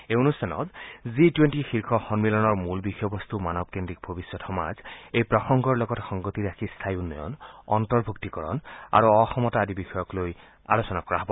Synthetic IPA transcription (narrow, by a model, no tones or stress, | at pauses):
eonustʰanɔ̰tzitwentixiɹkʰɔxɔnmilɔnɔɹmulbixɔjɔbɔst̪umanɔb̚kendik̚bʱobisːɔtxɔma̰zejpɹɔxɔŋɡʱɔɹlɔɡɔtxɔŋɡotiɹakʰist̪ʰajunːɔjɔ̰nɔntɔɹbʱuktikɔɹɔ̰na̰ɹuɔxɔmɔtaadibixɔjɔkloj | a̰losɔnakɔɹaɦɔbɔ